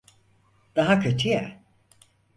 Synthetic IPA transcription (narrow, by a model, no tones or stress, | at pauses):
d̪̥aɦakʰat͡ʃʰɯja